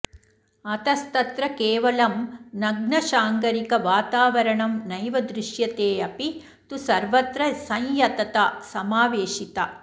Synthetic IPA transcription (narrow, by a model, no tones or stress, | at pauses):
ɐt̪ɐst̪ɐt̪ɾɐkeːʋɐlɐmnɐɡɳɐʃaːŋkɐɾikɐʋaːt̪aːʋɐɾɐɳɐmnɐjʋɐd̪ɾɪʃjɐt̪eːɐpi | t̪usɐɾʋɐt̪ɾɐsɐ̃jjɐt̪ɐt̪asɐmaːʋeːʃit̪ɐ